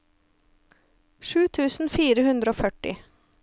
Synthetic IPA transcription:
ʃʉːt̪ʰʉːsn̩fiːɾəhʉnd̪ɾəoːfœʈɪ̰

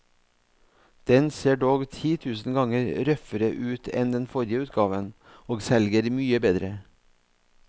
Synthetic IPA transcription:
d̪̥ɛnseːɖoːɡt̪ʰiːt̪ʰʉːsn̩ɡɑŋəɾɾœfəɾəʔʉːt̪ʰɛ̰nd̪ɛnfɔɾjəʉːt̪ɡɑːʋən | oːɡsɛlɡəɾmyːəbeːd̪ɾə

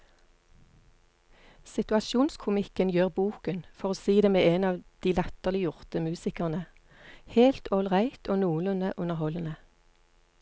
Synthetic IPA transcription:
sɪt̪ʉɑʃuːnskʰʊmɪkənjøːʁbuːkənfɔʁoːsiːd̪eːmeːeːnɑːʋd̪̥iːlɛt̪əʁlɪjʊʁt̪əmʉːsɪkəʁnə | heːlt̪ʰɔlʁæɪt̪ʰoːnuːlʉnəʔʉnəʁhɔlənə

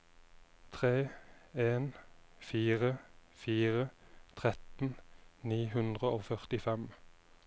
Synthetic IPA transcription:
t̪ʰʁeːeːnfiːʁəfiːʁət̪ʰʁɛt̪n̩niːɦʉnd̪ʁəoːfœʁt̪ɪfɛm

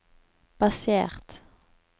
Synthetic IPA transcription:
b̥ɑseːʁt̪

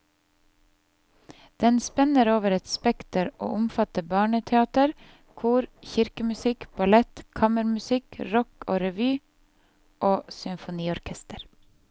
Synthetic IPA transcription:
d̪̥ɛnspɛnəɾoːʋəɾɛt̪spɛkt̪əɾʔo̰ːʔʊmfɑt̪əbɑːɳət̪ʰɛɑːt̪əɾ | kʰuːɾçɪɾkəmʉsɪkb̥ɑlɛt̪kʰɑːməɾmʉsɪkɾɔkoːɾɛʋyː | ʔoːsʏmfʊniːɔɾkʰɛst̪əɾ

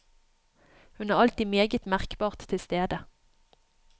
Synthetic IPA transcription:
hʉnæːʁɑlt̪iːmeːɡət̪mæʁkbɑːʁt̪ʰːɪlst̪eːd̪ə

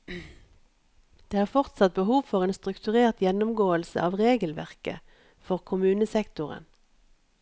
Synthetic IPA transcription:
d̪̥eːæːʁfɔʁt̪sɑt̪̚bəhuːʋfɔʁeːnst̪ʁʉkt̪ʉʁeːʁt̪jɛnʊmɡoːəlsə̰ʔɑːʋʁeːɡəlʋæ̰ʁkə̰ | fɔʁkʰʊmʉːnəsɛkt̪ʊʁə̰n

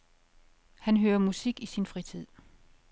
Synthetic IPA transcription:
hænɦøːɐmusiɡ̥isinfʁit͡sʰið̰ˠ

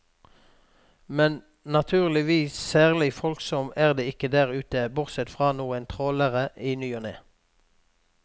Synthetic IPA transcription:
mɛn | nɑt̪ʰʉːʁlɪʋiːssæːʁlɪfɔlksɔmæːʁd̪eːɪkəd̪æːʁʉːt̪əbʊʁsɛt̪fʁɑːnuːənt̪ʰʁoːləʁəʔiːnyːɔnḛː

